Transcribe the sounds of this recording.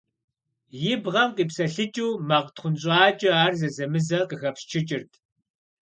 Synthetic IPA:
jɪbʁɐmqʼiːpsɐɬɨt͡ʃʼuːmaːʁtχʷʊnɕʼaːt͡ʃʼɪaːrzɐzɐmɨzɐqəxɐpst͡ʃʰɪt͡ʃʼɪrtʰ

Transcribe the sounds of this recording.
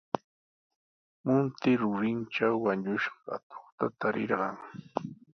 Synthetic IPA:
mʊnt̪ɪɾʊɾɪnʈ͡ʂawːaɲʊʃɢɑa̰t̪o̥χt̪at̪aɾɪɾɢɑŋ

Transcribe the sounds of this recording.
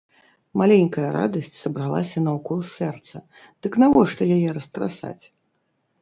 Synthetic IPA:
malʲenʲkɐjɐɾa̰d̪ɐsʲt͡sʲsɐbɾalˠa̰sʲɐnɐwkɔlˠsʲɛrt̪sɐ | d̪̥ɨknavɔʂt̪ɔjajɛɾɐst̪ɾa̰sa̰t͡sʲ

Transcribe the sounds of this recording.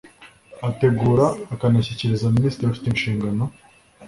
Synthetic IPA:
ate̞ɡuːɾaːkanaçiceɾezaminiːstɾiafi̥teinʃiːŋɡano̞

